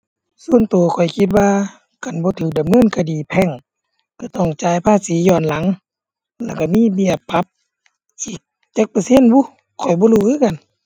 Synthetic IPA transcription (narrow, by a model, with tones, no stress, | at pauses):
su˧˨ənt̪u˨˩ɐkʰɔ˨˩jkʰi˧˦t̪̚waː˧ | ka˨˩˨nbɔː˧˦t̪ʰɯː˨˩k̚da˨mːɤː˧˥˨nkʰa˧diː˨˩pʰɛ˧˨ŋ | ka˧˩t̪ɔ˧˩ŋt͡ɕaː˨˧˦jpʰaː˧˥˨siː˨˦jɔː˧˩nla˨˦ŋ | lɛː˧˩ka˧˩miː˧˥˨bi˧˩əpʰːa˧˦p̚ | siː˨˦˩k̚ | t͡ɕe˧˥k̚paː˧se˧˥˨nbuː˧˨ | kʰɔ˨˩jbɔː˧˦luː˧˩ʔɯː˧˥˨ka˧˨n